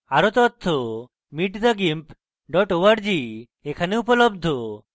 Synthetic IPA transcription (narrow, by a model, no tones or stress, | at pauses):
aɾot̪ɔt̪ʰːo | miʈd̪aɡimp | ɖɔʈoʋaɖd͡ʒi | ekʰaneupɔlɔbd̪ʱo